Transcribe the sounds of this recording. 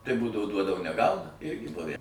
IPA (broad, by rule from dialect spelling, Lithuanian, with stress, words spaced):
tɐɪ ˈbuːdɐʋoː ˈduɔdɐʋoː nʲɛˈɡɐʊnɐ ˈɪrʲɡʲɪ ˈbʊʋʲæ